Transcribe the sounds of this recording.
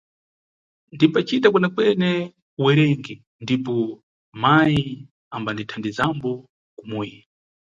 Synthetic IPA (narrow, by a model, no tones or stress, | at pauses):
ndimpat͡ʃitakɛnakwɛnɛ | wɛɾɛŋɡɛ | ndipɔ | maji | ambanditʰandizambɔ | kumujɛ